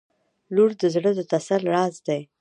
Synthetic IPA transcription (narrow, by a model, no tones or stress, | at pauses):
luɾd̪əzɽəd̪ət̪asalɾɑzd̪aj